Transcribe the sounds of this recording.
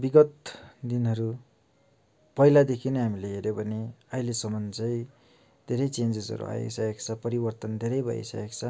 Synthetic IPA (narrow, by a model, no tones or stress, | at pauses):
biɡʌt̪d̪inɦʌɾu | pʌjlad̪ekʰinʌɦamileɦeɾjobʱʌneʌjlesʌmʌnd͡zʌj | d̪ʱeɾʌjt͡send͡zezʌ̰ɾṵa̰jḛksaekt͡sʰʌpʌɾibʌrt̪ʌnd̪ʱeɾʌjbʱʌ̰ḭsa̰ekt͡sʰʌ